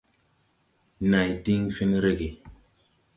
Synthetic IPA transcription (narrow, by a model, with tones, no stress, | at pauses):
na˨jti˦ŋfi˦nɾe˦ɡe˨